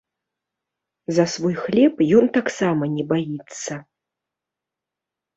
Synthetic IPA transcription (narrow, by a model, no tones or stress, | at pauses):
zɐsvɔjxlʲɛpjɔnt̪aksamɐnʲɛbajit̪sːɐ